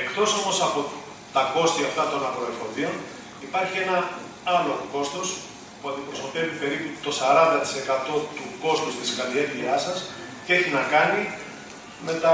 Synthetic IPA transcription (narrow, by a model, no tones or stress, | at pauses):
ekt̪o̞so̞mo̞sɐpo̞ | t̪ɐko̞st̪iɐft̪ɐt̪o̞nɐpɾo̞elfo̞ðio̞n | ipɐɾçie̞nɐ | ɐlo̞ko̞st̪o̞s | puɐnd̪ipɾosot̪e̞vipe̞ɾiput̪o̞sɐɾɐnd̪ɐt̪i̥se̞kɐt̪o̞t̪uko̞st̪ust̪iskɐlieɾviɐsɐs | ce̞çinɐkɐni | me̞t̪ɐ